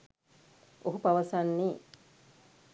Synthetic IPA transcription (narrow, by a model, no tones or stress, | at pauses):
ʔoɦupaʋɐsanːiː